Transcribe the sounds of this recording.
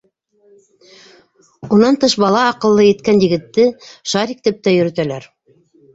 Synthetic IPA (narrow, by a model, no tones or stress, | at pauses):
unɑnt̪ɤʃbɑlˠɑːqɤ̆lˠːɤjɘ̆t̪kænjɘ̆ɡɘ̆t̪ːɘʃɑɾikt̪ɘp̚t̪æjɵ̆ɾɵ̆t̪ælæɾ